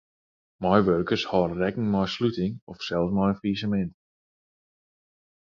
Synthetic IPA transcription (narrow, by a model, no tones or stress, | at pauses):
mɔjʋørkərshɔrrɛkn̩mɔjslytɪŋɔfsɛlˠsmɔjənfiːsəmɛnt